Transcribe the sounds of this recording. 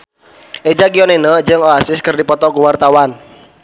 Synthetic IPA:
ʔed͡ʒaɡiɔnenəd͡ʒɨŋɔasɪskɨrdipɔt̪ɔkuwart̪awan

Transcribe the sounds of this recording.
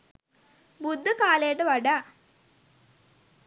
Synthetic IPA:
bud̪ːəkaːlejəʈəʋaɖaː

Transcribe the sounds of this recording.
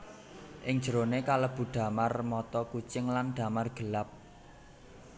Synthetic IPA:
ʔɪŋ̥d͡ʒ̥əɾonekaləb̥ṳɖ̪̥ä̤marmɔt̪ɔkut͡ʃɪŋlanɖ̥ä̤marɡ̥ə̤lap̚

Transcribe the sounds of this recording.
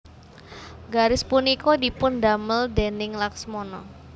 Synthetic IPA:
ɡaɾɪspunikodipʊndaməldenɪŋlaksmɔnɔ

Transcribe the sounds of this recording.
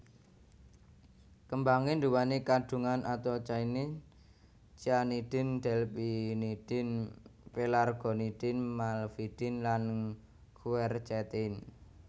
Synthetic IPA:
kəmbaŋɪnduwanikad̪̥ṳŋanat̪at͡ʃainɪ | t͡ʃianid̪̥ɪ̤nd̪̥ɛ̤lpinid̥ɪ̤npelarɡ̥ɔ̤nid̪̥ɪ̤nmalfid̥ɪ̤nlan | kʰuɛrt͡ʃɛt̪ɪn

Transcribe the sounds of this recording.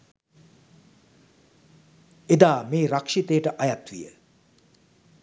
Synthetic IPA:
ed̪aːmeːɾakʂit̪ejəʈəʔajat̪ʋḭjə̰

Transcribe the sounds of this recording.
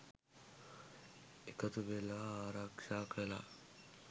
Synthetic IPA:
ekɐt̪ubelaːaːɾakʂaːkela̰ː

